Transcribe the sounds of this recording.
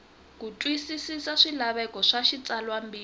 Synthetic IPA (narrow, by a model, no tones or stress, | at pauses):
k̬utʼwisisisaʂilaβɛkɔʂaʃit͡sʼalwambiː